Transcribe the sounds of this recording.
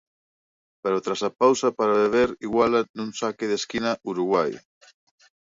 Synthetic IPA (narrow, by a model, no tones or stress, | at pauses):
peɾot̪ɾasapawsapaɾaβeβ̞eɾiɣwalanunsakeðeskinauɾuɣwaj